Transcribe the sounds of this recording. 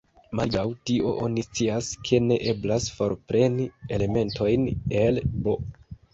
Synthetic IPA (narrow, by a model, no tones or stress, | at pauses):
malɡawtiʔo̞̰ʔo̞nist͡siaskʰe̞ne̞ʔe̞blasfo̞ɾpɾe̞nie̞le̞me̞nto̞jne̞lbo